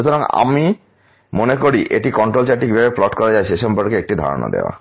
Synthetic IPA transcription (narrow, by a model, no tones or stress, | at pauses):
ut̪ʰoɾaŋa̰mi | monekoɾiʔeʈikɔɳʈɾolt͡ɕaʈikbiabeplɔʈkɔɾad͡ʑajɕeʃɔmpɔɾkeek̚ʈid̪ʱa̰ɾo̰na̰d̪ḛoa̰